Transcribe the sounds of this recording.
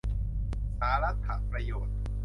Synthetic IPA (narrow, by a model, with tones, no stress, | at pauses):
saː˩˦ɾa˦˥t̪̚kʰːa̰˨˩pɾa˧joː˨˩t̪̚